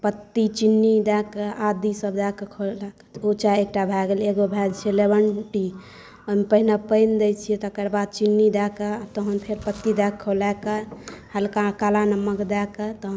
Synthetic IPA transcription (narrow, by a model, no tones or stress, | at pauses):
pət̪ːit͡ʃinːid̪ɛkəad̪isəbd̪akekʰolakot͡ʃaek̚ʈabʱɛɡelekbobʱɛd͡ʒt͡ʃʰielebəɳʈi | ompəɦinapəjnd̪et͡ʃʰijet̪əkəɾbad̪̚t͡ʃinːid̪ɛkeat̪əɦənpʰeɾpət̪ːid̪ɛkʰolɛkəhɛlkakalanəmːəkd̪ɛkət̪əɦə